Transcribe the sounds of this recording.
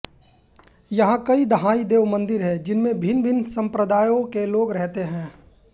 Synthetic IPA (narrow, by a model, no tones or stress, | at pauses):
jɐɦãkɐid̪ɐɦaːid̪eːʋmɐ̃nd̪ɪɾɦɛd͡ʒɪnmẽbʱɪnbʱɪnsɐ̃mpɾəd̪aːjõkeloːɡɾɛɦt̪eɦɛ̃ː